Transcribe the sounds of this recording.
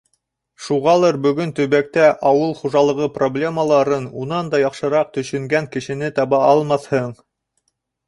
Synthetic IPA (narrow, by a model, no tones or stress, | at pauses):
ʃuʁɑlˠɤɾbɵ̆ɡɵnt̪ɵ̆βæk̚t̪æʔɑwɤlˠχuʒɑlˠɤ̆ʁɤproblʲe̞məlˠɑɾɤnunɑnd̪ɑjɑqʃɤ̆ɾɑq̚t̪ɵ̆ʃɵ̆ŋɡæŋkɘ̆ʃɘ̆nɘt̪ɑβɑɑlˠmɑθhɤɴ